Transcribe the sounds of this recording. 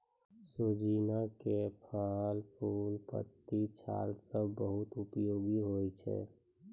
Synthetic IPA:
sod͡ʒinakepʰalpʰuːlpə̰t̪ːit͡ʃʰa̰ːlsəbbəɦut̪ʊpjoːɡiɦojt͡ʃʰɛ̰

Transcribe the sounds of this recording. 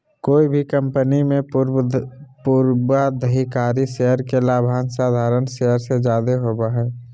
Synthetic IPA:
koːibʱikə̃mpənimẽ | puɾbad̪ʱəɦikaːɾiʃeɦəɾkelaːbʱaːnsaːd̪ʱaːɾənʃeɦəɾsed͡ʒaːd̪eɦoːbaɦɛː

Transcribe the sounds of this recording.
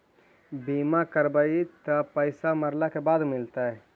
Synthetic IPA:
biːmakəɾbait̪ɐpəɪsamɐɾlakebaːd̪mɪlt̪aɦɛː

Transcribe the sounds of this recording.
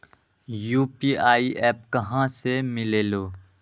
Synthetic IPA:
juːpiːʔaːiʔɛːpkɐɦãsemɪleːloː

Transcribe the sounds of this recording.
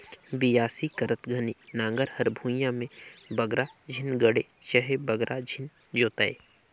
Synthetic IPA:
bijaːsikəɾət̪ɡʱɐninãːŋɡəɾhɐɾbʱũːjãmẽbɐɡɾad͡ʒʱɪnɡəɽet͡ʃəɦebəɡɾʔad͡ʒʱɪn | d͡ʒoːt̪aḛː

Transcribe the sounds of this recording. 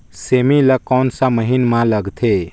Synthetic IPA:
seːmiləkɔːnsaməɦinmãləɡt̪ʰe

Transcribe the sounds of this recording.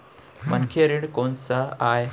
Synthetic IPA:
mɐ̰nkʰeɾiɽkoːnsaaːe

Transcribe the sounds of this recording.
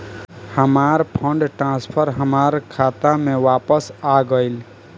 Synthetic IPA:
həmaɾpʰəɳɖʈɾãspʰəɾɦəmaɾkʰaːt̪amẽʋaːpəsaɡəɪl

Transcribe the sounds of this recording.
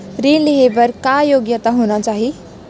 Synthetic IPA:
pɾiːnliɦeʋəɾkajoɡjət̪aɦoñat͡saɦi

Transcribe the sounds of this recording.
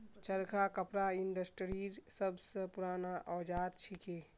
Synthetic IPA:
t͡ʃəɾkʰakəpɾainɖəsʈɾiɾsəbʱsə̃puɾaːnaʔɔd͡ʒaːd̪̚t͡ʃʰike

